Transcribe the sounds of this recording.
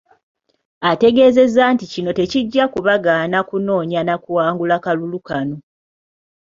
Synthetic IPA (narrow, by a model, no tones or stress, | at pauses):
ate̞ɡe̞ːze̞zaːnticino̞te̞ciɟːakuβaɡanakuno̞ːɲanakuwaːŋɡulakalulukano